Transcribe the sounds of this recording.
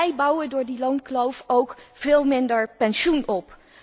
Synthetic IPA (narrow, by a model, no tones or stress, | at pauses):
ɛjbʌwədʊːɹdilonklowfowkv̥ɪːlˠmɪndəɹpɛnʃunɔp